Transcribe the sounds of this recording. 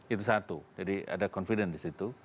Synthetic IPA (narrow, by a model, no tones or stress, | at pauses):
it̪usat̪ud͡ʒadia̰dakɔnfidəndisit̪u